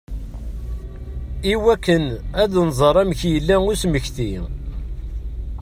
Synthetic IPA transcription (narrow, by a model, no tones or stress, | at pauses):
iwækːənæðnzˤəɾˤæmçjəlːæŋʊsməçθi